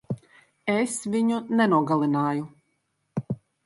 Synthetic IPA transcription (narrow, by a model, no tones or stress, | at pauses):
ɛsviɲunɛnuɔɡalˠinaːju